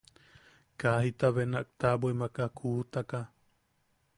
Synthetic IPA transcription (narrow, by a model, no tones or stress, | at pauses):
kaɦit̪aβenaʔk̚t̪abuimakakʰuːt̪aka